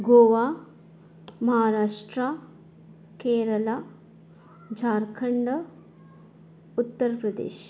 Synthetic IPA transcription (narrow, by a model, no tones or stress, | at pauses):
ɡoːʋaː | mɐɦaːɾaːʂʈɾa | keːɾɐla | d͡ʒʱaːɾkʰɐɳɖɐ | ut̪ːəɾpɾɐd̪ḛːʃ